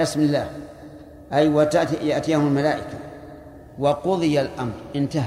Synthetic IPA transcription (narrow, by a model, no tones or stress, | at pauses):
ɪsmɪlːaːh | ʔajwat̪ajaʔt̪ɪjahʊmʊlmalaːʔɪka | wɑqʊðˤɨjalʔamɾˤʔɪnt̪a